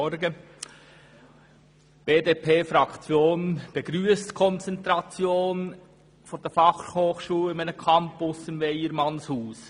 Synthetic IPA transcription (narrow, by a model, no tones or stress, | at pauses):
ɔɾɡə | b̥eːdeːpʰeːfɾɑkʰt͡sjoːnb̥eɡ̥ɾyːəstkʰɔnt͡sɛntɾɑt͡sjoːn | fɔd̥ɛɾfɑχhoːχʃuːlɪmænəkʰɑmpʊsɪmveɪəɾmɑnshuːs